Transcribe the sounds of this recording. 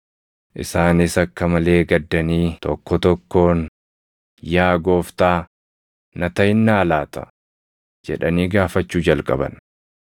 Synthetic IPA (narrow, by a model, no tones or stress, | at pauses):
ʔɪ̰saːnɪsɐkːɐmɐle̞ːɡɐd̪ːɐniːt̪ɔkːɔt̪ɔkːo̞ːn | jaːɡo̞ːft̪aː | nɐt̪ɐjɪnːaːlaːt̪ɐ̥̰ | d͡ʒɛ̰ᶑɐniːɡaːfɐt͡ʃːuːd͡ʒɐlkʼɐ̰bɐ̰n